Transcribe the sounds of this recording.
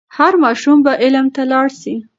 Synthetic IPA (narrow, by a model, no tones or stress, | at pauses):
haɾmɑʃumbaʔɪlmt̪alɑɽʃi